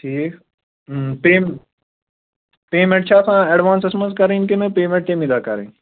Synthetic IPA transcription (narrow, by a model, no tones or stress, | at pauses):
ʈʰiːk | peːm | peːmẽɳʈ̚t͡ʃʰaːsãːeɖʋãːnsesmə̃nskɐɾẽnkenɐpeːmẽɳʈt̪ẽːmid̪akɐ̰ɾḛ̃ː